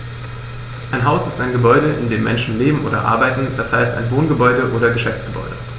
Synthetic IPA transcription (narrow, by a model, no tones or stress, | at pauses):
ʔaɪnɦaʊsɪstaɪnɡəbɔʏɾəʔɪ̰ndeːmːɛnʃn̩leːbm̩ʔoːdɐ̰ʔa̰ɐbaɪtn̩dashaɪsta̰ɪnvoːnɡəbɔʏdəʔoːɾɐɡəʃɛft͡sɡ̥əbɔ̰ʏɾə